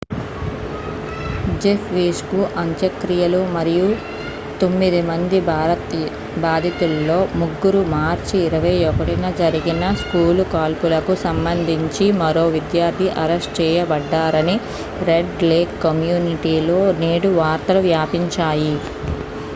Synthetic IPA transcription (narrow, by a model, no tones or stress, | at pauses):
d͡ʒefʰʋiːskuʔɐɲt͡ʃɐkɾijɐlumɐɾiju | t̪o̞mːid̪imɐnd̪i | baːd̪ʱit̪ulːo̞ːmuɡːuɾumaːɾt͡ʃiːɾɐʋɐjɔkɐʈinɐd͡ʒɐɾiɡinɐskuːlkaːlpulɐkusɐmbɐnd̪ʱiɲt͡ʃimɐɾo̞ːʋid̪jaːɾt̪ʰiʔɐɾesʈt͡ʃɛːjɐbɐɖːaːɾɐni | ɾeɖleːkːɐmjuːniʈiːlo̞ːneːɽuʋaːɾt̪ɐluʋjaːpiɲt͡ʃaːji